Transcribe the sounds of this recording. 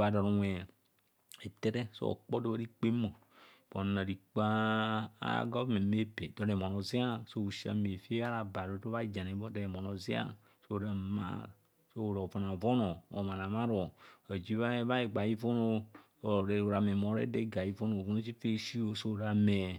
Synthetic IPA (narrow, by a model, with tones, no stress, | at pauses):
a˨dɔ˨ɾo˨ɛ˨ | e˨t̪e˦ɾe˦so̰˦ɔ̰˨k͡pɔ˦do˦ba˦i˦k͡pe˦mo˨ | b̥ɔ˨nã˨ɾi˨k͡pa˦a̰˦ɡa˦me˨me˦be˨dɔ˨ɾe˨mɔ̃˨nɔ˨zi˦a˦so˦wu˨ʃi˦a̰˨me˨fe˦a˦ɾa˨ba˨ɾo˨˦o˦βa˦d͡ʒa˨nẽ˨bɔ˦dɔ˨e˨mɔ˨nɔ̃˨zi˦a̰˦ | so˦˨ɾa˨mã̰˦˨ | so˦o˨ɾɔ˨vɔ˨nã˨vɔ˦nɔ˨ɔ̰˨ma˨nã˨mã˦ɾɔ˨e˨d͡ʒi˦βa˦ba˦e˨ɡ͡ba˨ji˦vɔ˦no˦ | o˨ɾe˨o˨ɾa˨me˨mɔ˨ɾḛ˦de˦ɡa˨ji˦vɔ˦no˨vo˦o˦t͡ʃi˦fe˦ʃi˦wo˦so˦˨ɾa˨me˨